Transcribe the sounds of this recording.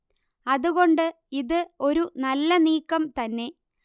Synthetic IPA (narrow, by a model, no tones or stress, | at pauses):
ɐðuɣo̞ɳɖɨ | iðɨo̞ɾunɐlːɐniːkːɐmt̪ɐnːe̞